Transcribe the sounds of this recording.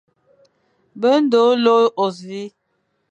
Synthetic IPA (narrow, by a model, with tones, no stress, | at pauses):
bə˦n̩˦do˨˦lo˦ʔo˨si˦